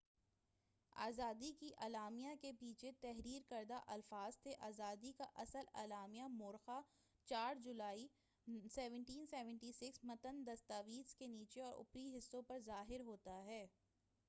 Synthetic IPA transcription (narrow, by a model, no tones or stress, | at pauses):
a̰ːzaːd̪ikiʔaːlaːmijakepiːt͡ʃʰet̪ɛɦɾiːɾkɐɾd̪aʔɐlfaːz̥t̪ʰeʔaːzaːd̪ikaʔɐsəla̰ːlaːmijamʊːɾxa | t͡ʃaːɾd͡ʒʊlaːi | sɛːʋə̃ɳʈiːnsɛːʋə̃ɳʈisɪksmɐt̪ənd̪ɐst̪aːʋiːzkeniːt͡ʃeɔːɾʊ̰pɾiɦɪsːõpɐɾzaːɦɪɾɦoːt̪aɦɛː